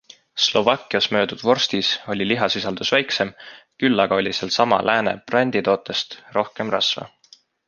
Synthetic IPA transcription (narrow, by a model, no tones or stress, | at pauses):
slo̞vɑkːˑiɑsmø̞ːd̪̥ud̪̥vo̞rst̪iso̞lʲiliɦɑsisɑld̪̥usvæjkse̞mkylːɑɡ̥ɑo̞lʲiselsɑmɑ̰lʔæːnḛprɑnʲd̪̥it̪o̞ːt̪ːˑe̞st̪ro̞hke̞mrɑsvɑ̰